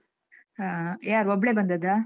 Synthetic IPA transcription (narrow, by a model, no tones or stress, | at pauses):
ɦajaːɾɔbɭebɐnd̪ɐd̪a